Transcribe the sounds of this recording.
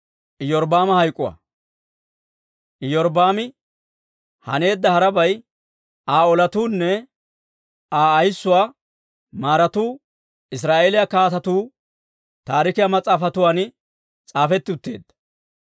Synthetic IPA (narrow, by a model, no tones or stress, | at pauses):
ʔɪjɔɾbaːmɐhɐjkʼːʊwa̰ | ʔɪjɔɾbaːmɪ | hɐ̰ne̞ːd̪ːɐhɐɾɐbɐj | aːɔlɐt̪uːnːɛ | aːjsːʊwaː | maːɾɐt̪uː | ɪs̬ɾaːʔe̞ːlɪjakaːt̪ɐt̪uː | t̪aːɾɪkɪjamɐt͡sʼaːfɐt̪ʊwaːn | t͡sʼaːfɛt̪ːɪʊt̪ːe̞̰ːd̪ːɐ̥